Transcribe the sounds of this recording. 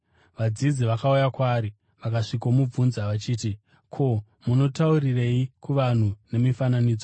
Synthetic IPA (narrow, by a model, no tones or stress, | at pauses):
ʋad͡zid͡ziʋakaujakwaːɾi | ʋakaʂikomub͡vunzaʋat͡ʃiːti | kʰo̞ | muno̞taurire̞ikuʋan̤une̞mifananiːd͡zo